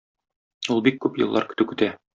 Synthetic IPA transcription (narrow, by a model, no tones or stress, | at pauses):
ulˠbikːʉpjɤ̰̆lˠːɑ̰ɾkɵ̆t̪ɘkɵ̆t̪æ